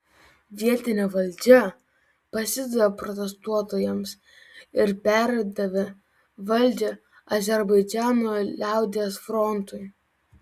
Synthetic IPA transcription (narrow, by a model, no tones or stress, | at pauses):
ʋʲiɛt̪ʲɪnʲeːʋɐlʲˑd͡ʒʲɛ | pɐsʲɪd̪ɐʋʲɛpɾɔt̪ʲɛst̪uɔt̪oːjɛms | ɪɾpʲæɾʲɛɪd̪ɐʋʲe | ʋɐlʲd͡ʒʲe | ɐzʲɛɾbɐɪd͡ʒʲæːnoːlʲæˑʊd̪ʲesfɾɔnt̪ʊj